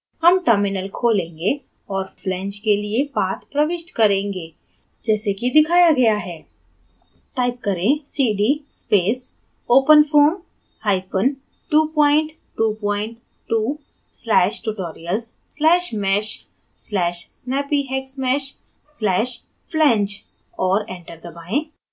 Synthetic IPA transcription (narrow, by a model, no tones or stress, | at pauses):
hɐmʈəɾmɪnəlkʰoːlẽːŋɡe | ɔːɾflɛ̃ːɲt͡ʃkeliebaːt̪pɾɐʋɪʃʈkɐɾẽːŋɡeː | d͡ʒɛːsekid̪ɪkʰaːjaɡɐjaɦɛː | ʈaːɪp̚kɐɾẽsiːɖispeːs | oːpənfʰoːm | haːjpʰən | ʈuːpɔ̃ːɪ̃ɳʈ | ʈuːpɔ̃ːɪ̃ɳʈ | ʈuː | slɛːʃʈuʈoːɾijəlz | slɛːʃmɛːʃ | slɛːʃsnɛːpiɦɛːksmɛːʃ | slɛːʃ | pʰlɛ̃ːɲt͡ʃ | ɔːɾɛ̃ːɳʈəɾd̪ɐbaːẽ